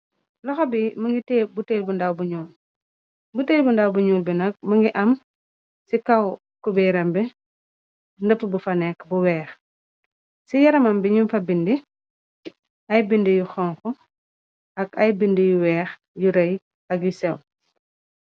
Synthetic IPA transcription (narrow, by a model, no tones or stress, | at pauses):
lɔxɐbimɐŋɡitɛːbutelbundawbuɲuːl | buteːlbundawbuɲuːlbinɐk̚mɐŋɡiʔɐm | sikɐw | kubɛɾɐmbi | ndəpːbufɐnɛkbuwɛːx | sijɐɾɐmɐmbiɲumfɐbindi | ʔɐjbindijuxɔŋkɔ | ʔɐkɐjbindijuwɛːx | juɾɐj | ɐkjusɛw